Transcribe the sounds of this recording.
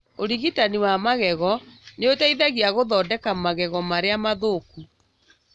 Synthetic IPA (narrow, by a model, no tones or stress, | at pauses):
oɾiɣitaniwamaɣɛɣɔneotaiðaɣiaɣoðɔːdɛkamaɣɛɣɔmaɾeamaðoku